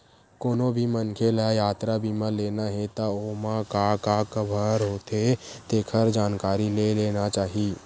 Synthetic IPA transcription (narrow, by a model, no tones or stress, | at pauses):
koːnõbʱimənkʰelajaːt̪ɾabimãleːnaɦet̪aoːmãkakakəbʱəɾɦoːt̪et̪eːkʰəɾd͡ʒaːnkaːɾileleːnat͡ʃaːɦiː